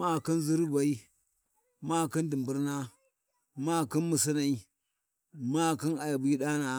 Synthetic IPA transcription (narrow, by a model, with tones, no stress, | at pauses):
ma˦˨ki˦n˦zi˦ɾba˨i˦ | ma˦˨ki˦n˦di˨mbu˦ɾna˦ | ma˦˨ki˦nmu˨si˦na˨i˦ | ma˦˨ki˦na˨ja˨bi˦ɗa˦na˨